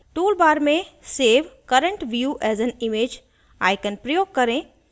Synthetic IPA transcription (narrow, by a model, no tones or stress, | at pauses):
ʈuːlbaːɾmẽseːʋkɐɾə̃ɳʈʋjuːʔɛːzɛnimeːd͡ʒ | a̰ːɪkə̃npɾəjoːɡ̚kɐɾẽ